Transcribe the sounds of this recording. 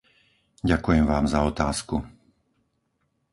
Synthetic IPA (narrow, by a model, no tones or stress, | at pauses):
ɟakujɛmʋaːmzaɔt̪aːsku